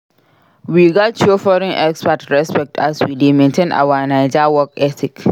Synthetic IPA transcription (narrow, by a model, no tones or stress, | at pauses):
wiɡɔt̚t͡ʃuofɔɾɔ̃nʔɛkspatɹɛspɛk̚tʰaswidemɛ̃ntʰẽnʔa̰wanãɪd͡ʒawɔkɛtʰɪk